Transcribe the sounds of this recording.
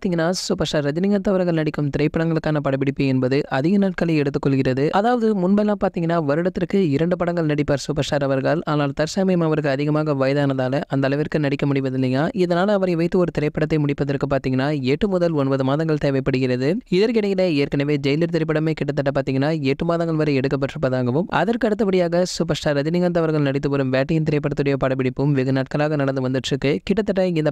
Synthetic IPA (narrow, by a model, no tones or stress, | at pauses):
t̪iŋɡɐnːaːsʊpɐʂaːɾːɐd͡ʒɐnɪŋɡɐt̪ːɐʋɐɾɐŋɡɐɭnɐɽɪkːɯmt̪ɪɾɐɪpːɐɽɐŋɡɐɭɯkːaːnɐpɐɽɐpːɪɽɪpːɯɛnbɐðɯʔɐðɪɣɐnaːʈ̚kɐlɐɛɽɯt̪ːɯkːɔɭɣɪrɐðɯʔɐðaːʋɐðɯmʊnbɐlaːpaːɾt̪iːŋɡɐnːaːʋɐɾɯɽɐt̪ːɪrkːɯɪɾɐɳɖɯpɐɽɐŋɡɐɭnɐɽɪpːaːɾsʊpɐʂaːɾɐʋɐɾɣaːlaːnaːlt̪ɐɾsɐmɐjɐmɐʋɐɾɯɣɯɐðɪɣɐmaːɣɐʋɐːjɐðaːnɐðaːlɐʔɐnd̪ɐɭɐʋɪɾkɯnɐɽɪkːɐmʊɽɪʋɐðɪnːiŋɡɐaːɪðɐnaːlɐːʋɐɾɐɪʋɐɪt̪ːɯɔɾɯt̪ɪɾɐɪpːɐɽɐt̪ːɐɪmʊɽɪpːɐðɐɾkɯpːaːɾt̪iːŋɡɐnːaːɛʈːɯmʊðɐlɔnbɐðɯmaːðɐŋɡɐɭt̪eːʋɐɪpːɐɽɯɣɪɾɐðɯɪðɐɾkɪɽɐkːɪnɐɪːɐɾkɐnɐʋeːd͡ʒɛjɪlɪɾt̪̬ɪɾɐp̬ːɐɽɐmeːkɪʈːɐt̪ːɐʈːɐp̬ːaːɾt̪iːŋɡɐnːaːɛʈːɯmaːðɐ̃ŋɡɐɭʋɐɾɐɛɽɯkːɐp̬ːɐʈrɯpːɐðaːɣɐʋɯmɐ̰ðɐɾkɯɐɽɯt̪ːɐpɐɽɪjaːɣɐsʊpɐɾsʈaːɾɐðɪnɪŋɡɐnd̪ɐʋɐɾɣɐɭnɐɽɪt̪̬ːɯʋɐɾɯmʋeːʈːɐjɐnt̪ɪɾɐɪpːɐɽɐt̪ːɯɽɐjɐpɐɽɐpɪɽɪpːɯmʋɪɣɐnaːʈ̚kɐlaːɣɐnɐɽɐnd̪ɯʋɐnd̪ɯʈrɯkːɯkɪʈːɐt̪ːɐʈːɐɪnd̪ɐ